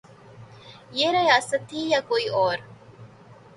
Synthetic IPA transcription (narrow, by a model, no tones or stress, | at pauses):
jeɾɐjaːsɐt̪ʰiːjakoiʔoːɾ